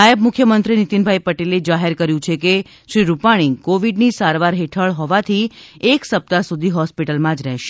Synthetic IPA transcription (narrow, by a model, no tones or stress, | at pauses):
ajəbmʊkʰːjəmənt̪ɾinit̪inbʱaipəʈeled͡ʒaɦeɾkəɾjũt͡ʃʰeke | ʃɾiɾupaɽ̃ikoʋiɖnisaɾʋaɾɦeʈʰəɭɦɔʋat̪ʰieksəp̚t̪asud̪ʱiɦɔspiʈəlmãd͡ʒɾɛɦʃe̥